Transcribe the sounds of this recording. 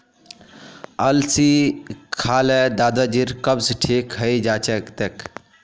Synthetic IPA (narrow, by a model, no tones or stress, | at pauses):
ɐlsikʰaːlɛd̪aːd̪ad͡ʒiɾkɐbsʈʰikɦəjd͡ʒaːt͡ʃekt̪ek